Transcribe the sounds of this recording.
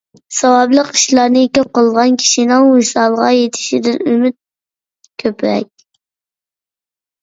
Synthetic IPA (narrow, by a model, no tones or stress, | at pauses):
sɑwɑblˠəqiʃlˠɑɾnɨkʲøp̚qʰəlˠʁɑnkʲʰi̥ʃinɪŋusɑlˠʁɑjet̪ʰɪ̥ʃid̪ɪnymyt̪̚ | kʲʰøpɾɛ̰kʲ